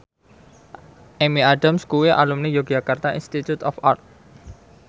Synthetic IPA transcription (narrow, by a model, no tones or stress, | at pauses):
ʔemiaɖamskuwiʔa̰lumnijoɡ̥d͡ʒakart̪aḭnst̪it̪ut̪ɔfart̪̚